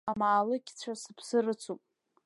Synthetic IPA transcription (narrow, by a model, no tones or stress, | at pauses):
amaːlɨkʲt͡ɕʷʰasɨpʰsɨrɨt͡sʰupʼ